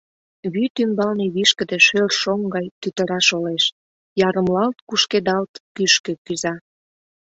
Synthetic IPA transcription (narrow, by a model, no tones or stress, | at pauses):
βyt̪ymbɑlneβiʃkə̆d̪ĕʃørʃoŋɡɑjt̪yt̪əɾɑʃoleʃ | jɑɾəmlɑlt̪kuʃked̪ɑlt̪kyʃkø̆kyzɑ